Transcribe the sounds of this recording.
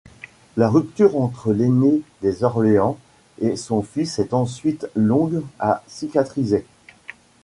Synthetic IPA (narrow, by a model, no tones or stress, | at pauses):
laʁyp̚t̪yʁɑ̃t̪χəlened̪ezɔʁleɑ̃ | esɔ̃fisɛt̪ɑ̃sɥit̪lɔ̃ɡasikʲat̪χize